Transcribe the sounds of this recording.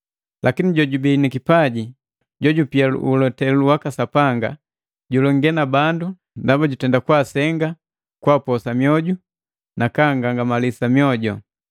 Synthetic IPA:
lʔakiniɟɔɟubinikipaɟi | ɟɔɟupial̰ulɔtɛluwakasapaŋɡa̰ | ɟulɔŋɡɛnabandu | ndabaɟutɛndakwasɛŋɡa | kwapɔsamijɔɟu | nakaŋɡaŋɡamalisamjɔɟɔ̰

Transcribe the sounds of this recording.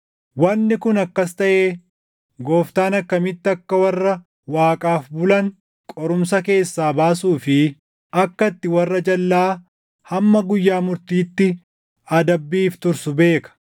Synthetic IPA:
wɐnːɪkʊnɐkːɐst̪ɐʔeː | ɡo̞ːft̪aːnɐkːɐmɪt̪ːɪɐkːɐwɐrːɐ | waːkʼaːfbʊlɐŋ | kʼɔɾʊmsɐke̞ːsːaːbaːsuːfɪ | ʔɐkːɐt̪ːɪwɐrːɐd͡ʒɐlːaː | hɐmːɐɡʊjːaːmʊɾt̪iːt̪ːɪ | ɐd̪ɐbːiːft̪ʊɾsʊbe̞ːkɐ̥

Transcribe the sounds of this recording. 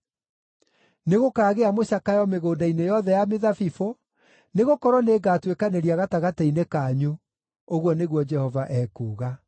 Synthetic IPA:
neɣokaːɣeamoɕakajɔmeɣoːdainejɔðɛjameðafifo | neɣokɔɾwɔneːɡaːtwekaneɾiaɣataɣatainekaːɲu | oɣwɔneɣwɔd͡ʒɛhɔvaʔɛːkuːɣa

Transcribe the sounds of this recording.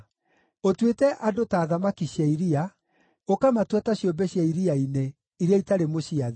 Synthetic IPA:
otwetɛʔadotaːðamakiɕjaiɾia | okamatwataɕjombɛɕjaiɾiaine | iɾaitaɾemoɕiað

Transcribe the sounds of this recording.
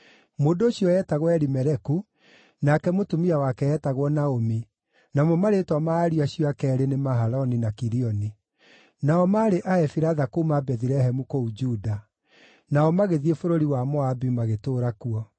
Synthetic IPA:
moːndooɕjɔɛtaɣwɛɾimɛɾɛku | nakɛmotumiawakɛɛtaɣwɔnaomi | namɔmaɾetwamaɾiaɕjɔakɛːɾenemaɦaɾɔninakiɾiɔni | naɔmaːɾeʔaɛfiɾaðakomabɛðiɾɛɦɛmukoud͡ʒuːda | naɔmaɣeðiefoɾoɾiwamɔabimaɣetoːɾakuɔ

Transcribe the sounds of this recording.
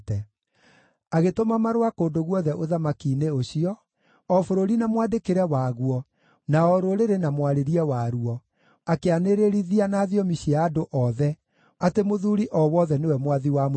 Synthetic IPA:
tɛ | aɣetomamaɾowakoːndoɣwɔðɛʔoðamakiːneoɕiɔ | ɔfoɾoɾinamwadekeɾɛwaɣuɔ | naɔɾoɾeɾenamwaɾeɾiɛwaɾuɔ | akeaneɾeɾiðianaːðijɔmiɕiaːdoʔɔðɛ | atemoðuɾiʔɔwɔðɛnewɛmwaðiwam

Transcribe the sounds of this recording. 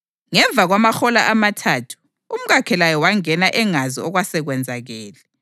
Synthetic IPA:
ŋɛɱb̪vʱaɣwamaxɔlaʔamatʰatʰu̥ | um̩ɣakʰɛlajɔwaŋɛnaʔɛŋazḭɔɣwasɛɣwɛnd͡zʱaɣɛːlɛ

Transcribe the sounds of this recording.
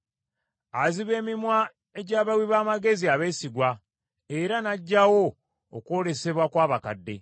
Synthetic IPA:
aziβe̞ːmimwa | eɟaːβawiβaːmaɡe̞ziaβe̞ːsiɡwa | e̞ɾanaɟːawo̞̰ː | kwo̞le̞se̞βwakwaːβakadːe̞̰

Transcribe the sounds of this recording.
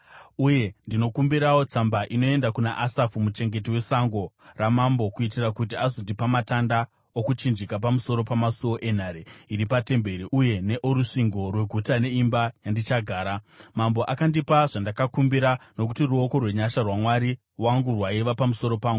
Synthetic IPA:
uje̞ndino̞kumbiɾawo̞t͡sambaʔino̞e̞ndakunaʔasafumut͡ʃe̞ŋɡe̞t̬iwe̞saŋɡo̞ramambo̞kuitirakutiazondipamatanda | okut͡ʃind͡ʒikap̬amuso̞ɾo̞pamasuoʔe̞n̤aːɾeiɾipate̞mbe̞ɾiuje̞ne̞ʔoɾuʂiŋɡo̞rwe̞ɡʱutane̞imbajandit͡ʃaɡʱaːɾamambo̞ʔakandipaʐandakakumbiɾano̞kutiruo̞ko̞rwe̞ɲaʃarwamwaɾi | waŋɡurwaiʋapamuso̞ɾo̞paːŋɡu

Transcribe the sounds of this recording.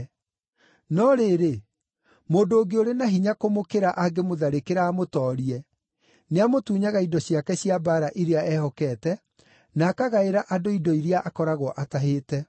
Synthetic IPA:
nɔɾeːɾe | moːndoːɡeoɾenaɦiɲakomokeɾaʔaɡemoðaɾekeɾaːmotɔːɾiɛ | neamotuːɲaɣaidɔɕjakɛɕiabaːɾaʔiɾeaɛhɔkɛtɛ | naːkaɣaeɾaʔadoidɔiɾeaʔakɔɾaɣwɔʔataɦeːtɛ

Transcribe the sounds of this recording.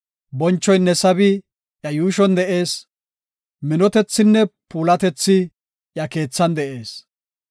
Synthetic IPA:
bɔnt͡ʃːɔjnːɛsɐbɪ | ʔjɐjuːʃɔnd̪ɛʔe̞ːs | mɪnɔt̪ɛt͡sːɪnːɛpuːlɐt̪ɛt͡sːɪ | jɐke̞ːt͡sːɐnd̪ɛʔe̞ːs

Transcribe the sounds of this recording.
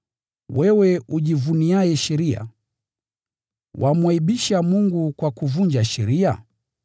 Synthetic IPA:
wɛwɛuʄivuniajɛʃɛɾia̰ | wʔamwaiɓiʃamuŋɡukwakuvuɲd͡ʒaʃɛɾia̰

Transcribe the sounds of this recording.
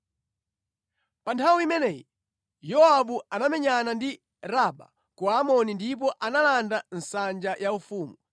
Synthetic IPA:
pantʰawiimɛnɛːji | jɔaɓuanamɛɲanandi | ɾaɓa̰ | kuamɔnindip̬ɔʔanalandan̩sand͡ʒajʔaufuːmu

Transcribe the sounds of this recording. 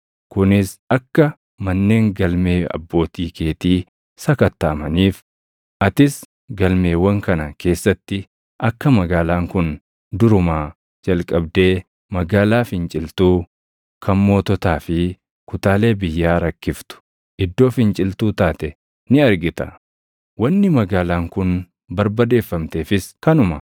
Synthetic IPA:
kʊnɪsɐkːɐ | mɐnːe̞ːŋɡɐlme̞ːɐ̰bːo̞ːt̪iːke̞ːt̪iː | sɐkɐt̪ːaːmɐniːf | ʔɐt̪ɪs | ɡɐlme̞ːwɐŋkɐnɐke̞ːsːɐt̪ːɪ | ʔɐkːɐmɐɡaːlaːŋkʊn | d̪ʊɾʊmaː | d͡ʒɐlkʼɐbd̪e̞ː | mɐɡaːlaːfɪnt͡ʃʼɪlt̪uː | kʰɐmmo̞ːt̪ɔt̪aːfɪ | kʊt̪aːle̞ːbɪjːaːɾɐkːɪft̪ʊ̥ | ʔɪd̪ːo̞ːfɪnt͡ʃʼɪlt̪uːt̪aːt̪ɛ | nɪɐɾɡɪt̪ɐ | wɐnːɪmɐɡaːlaːŋkʊn | bɐɾbɐd̪e̞ːfːɐmt̪e̞ːfɪskɐnʊmɐ

